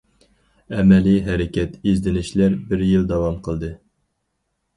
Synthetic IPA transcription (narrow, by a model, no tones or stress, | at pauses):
ɛmɛliɦɛɾɪkʲʰɛt̪izd̪ɪnɪʃlæɾbɪɾjilˠd̪ɑwɑmqʰəlˠd̪ɨ